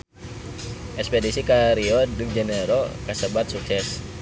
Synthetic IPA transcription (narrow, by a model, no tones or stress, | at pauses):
ʔɛspedisikaɾiɔdɨŋd͡ʒɛnəɾokasəbat̪̚suksɛs